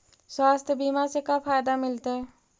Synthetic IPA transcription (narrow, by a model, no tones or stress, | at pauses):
swaːst̪ʰjəbiːmasekapʰaːjd̪amɪlt̪eɦɛ